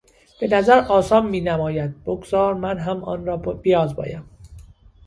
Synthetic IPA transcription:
b̥e̞næzæɾʔɒːsɒːmːiːnæmɒːjæd̪̚b̥oɡz̥ɒːɾmænɦæmʔɒ̰ːnɾɒːbijɒːzbɒ̰ːjæm

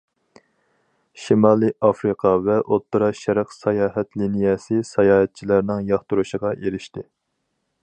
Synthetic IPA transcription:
ʃimɑːlˠɨʔɑfɾɨqʰɑvɛʔot̪ʰːɾɑʃæɾqsɑjɑːɦɛt̪linijɛsɪsɑjɑːhɛt̪̚t͡ʃʰilæɾnɪŋjɑχt̪uɾuʃəʁɑʔeɾɪʃt̪ɪ

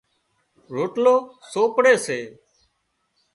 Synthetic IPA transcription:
ɾoːʈloːsoːpɽeːseː

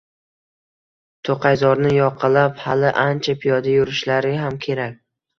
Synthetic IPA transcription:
t̪ʰoqʰɑjzɒɾnɪjɒqʰɨlaphalɪʔant͡ʃʰapʰijɒd̪ajʊɾɪʃlaɾɪɦamkʲʰe̞ɾak̚ʲ

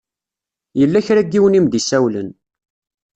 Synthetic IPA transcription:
jəlːæçɾæɡːiwənimd̪isæwlə̰n

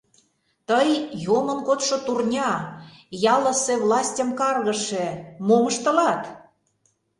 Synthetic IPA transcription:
t̪əjjomə̆nkot̪ʃŏt̪urnʲɑjɑlˠə̆sĕvlɑsʲtʲəmkɑrɣə̆ʃemomə̆ʃt̪ə̆lɑt̪

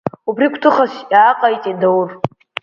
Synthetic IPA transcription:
ubrikʷʰtʰɨχasjaːqʼajtʼindawʊr

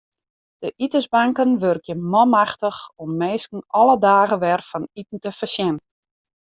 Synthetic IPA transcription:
d̥əʔitəzbaŋkənʋørkjəmɔmaxtəxɔmːeːskn̩ʔɔlˠədaːɣəʋɛrfɔnitn̩təfərsjɛn

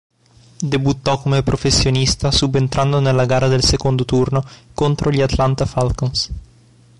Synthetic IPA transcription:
d̪ebut̪ːɔkomoepɾofesjonist̪asubent̪ɾʔand̪onelaɡaɾaðelsekond̪ot̪urnokont̪ɾoʎiat̪lant̪afalkons

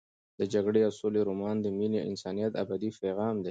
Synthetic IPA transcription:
d̪̥əd͡ʒaɡɽejɑwsoleɾomɑnd̪əmineɪ̰nsɑnijat̪a̰bad̪ifeɣɑmd̪e

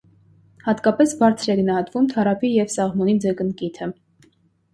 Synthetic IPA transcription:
hɑt̪kɑpɛsbɑɾt͡sʰɾɛɡənɑhɑt̪vumt̪ʰɑɾɑpʰijɛvsɑʁmɔnid͡zəkənkit̪ʰə

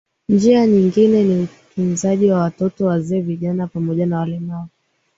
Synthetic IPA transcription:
nd͡ʒiaɲiŋɡinɛnim̩pinzaʄiwawatɔtɔwazɛːviʄanapamɔʄanawalɛnaɔ

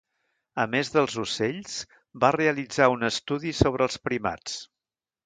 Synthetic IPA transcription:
əmezðəlˠzuseʎs | bareəlid͡zaunəst̪uðisoβ̞ɾəːlˠspɾima̰t͡s

